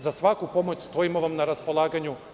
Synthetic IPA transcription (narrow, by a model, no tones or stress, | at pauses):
zasʋakupo̞mot͡ɕst̪o̞imoʋamnaɾaspo̞lˠaːɡaɲu